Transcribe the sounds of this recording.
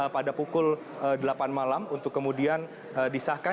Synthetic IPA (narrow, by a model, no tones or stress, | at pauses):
əpadapukʊl | ədəlapanmalamunt̪ʊkːəmudian | ədisahka